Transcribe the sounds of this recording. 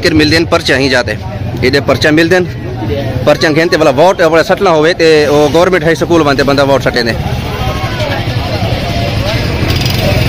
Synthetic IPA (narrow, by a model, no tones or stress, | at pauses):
kɪɾmɪld̪eːnpəɾt͡ʃãːɦĩːd͡ʒaːt̪eː | ɪɗeːpəɾt͡ʃãmɪld̪eːn | pəɾt͡ʃãːkʰẽːnt̪eːʋəlaːʋoːʈəpɽjasəʈlãːɦoːʋet̪eoːɡəʋəɾmẽɳʈɦəisəkuːlʋãːnt̪eːbənd̪aːʋoːʈsəʈẽːnd̪eː